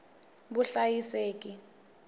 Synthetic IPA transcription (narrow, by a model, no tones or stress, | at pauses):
buɬajiseːk̬ʼi